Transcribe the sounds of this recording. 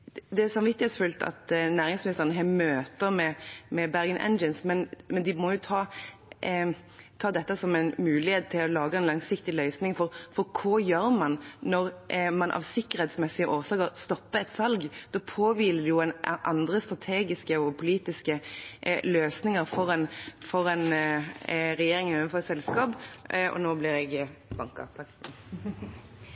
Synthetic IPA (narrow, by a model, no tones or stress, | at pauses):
d̪ɛæsɑmʋɪt̪ːɪhɛt̪sfʉlt̪ʰɑ̰t̪næːɾɪŋsmɪnɪst̪əʁənəɦɛːmøːt̪əɾmɛmɛbæʁɡənʔɛ̰nd͡ʒənsmɛnmɛnd̪ɪmɔjʊt̪ʰɑː | t̪ʰɑːd̪ɛt̪ːəsɔmɛnmʉːlɪheːt̪̚t̪ʰːɪlɔlɑːɡəɛnlɑŋsɪkt̪ɪlœʏsnɪŋfɔɾfɔɾkʰojøːɾmɑnnɔɾmɑnʔɑ̰ʋsɪkːəɾhɛːt̪smɛsːɪəʔoːsɑːkəɾst̪ɔpːəɛt̪sɑlɡd̪̥ɔːpʰoːʋiːləd̪ʉjʊɛnʔɑnd̪ɾəst̪ɾɑt̪ʰeːɡɪskəɔpʰʊliːt̪ɪskə | løːsnɪŋəɾfɔɾɛnfɔɾɛn | ɾɛjeːɾɪŋɛəfɔsɛlskɑːbɔ̰noːblɪɾɛɡbɑŋkɑ̰ɑk̪